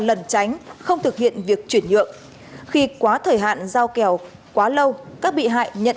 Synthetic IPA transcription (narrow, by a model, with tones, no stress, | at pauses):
lə˨˩nt͡ɕa˨˦jŋ̟xə˧wŋ͡mt̪ʰɨ˨˩k̚hḭ˧˨ənvi˨˩ək̚t͡ɕwi˧˩ənɲɨ̰˧˨əŋ | xi˧kwaː˨˦t̪ʰəː˨˩jɦa̰ː˧˨nzaː˧wkɛ˨˩w | kwaː˨˦lə˧wkaː˦˥k̚ɓḭ˧˨ɦa̰ː˧˨jɲə̰˧˨